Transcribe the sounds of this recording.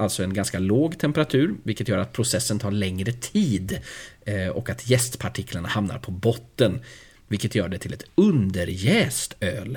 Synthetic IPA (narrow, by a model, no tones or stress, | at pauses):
ʔalt̪sɔɛnɡanskaloːɡt̪ʰɛmpəɾat̪ʰʉ̟ːɾvɪlkːət̪jœːɾat̪̚pʰɾʊsɛsːənt̪ʰɑːɾɭɛŋɾət̪ʰiːd̪ | ɔkat̪ʰjɛst̪pʰaʈʰɪkʰlaɳahamna̰ɾpʰɔbɔt̪ːən | vɪlkət̪jœːɖɛt̪ʰɪlɛt̪ɵnd̪əɾjɛːst̪øːl